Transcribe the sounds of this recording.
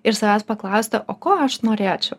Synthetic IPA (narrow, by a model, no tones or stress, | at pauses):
ɪɾsɐʋʲɛspɐklˠɑʊsʲt̪ʲɛʔoːkoːɐʃnoːɾʲeːt͡ʃʲɛʊ